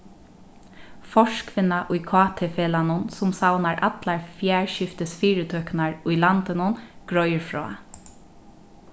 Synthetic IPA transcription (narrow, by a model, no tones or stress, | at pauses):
fɔʃkʰʋɪnːaʔʊjkʰɑːt̪ʰefeːlanʊnsʊmsawnaɹʔa̰t̪laɹfjæːɹʃɪft̪ɪsfiːɾɪt̪ʰœːknaɹʊjlant̪ɪnʊnɡ̥ɹɔjəɹfɹɔ̰ː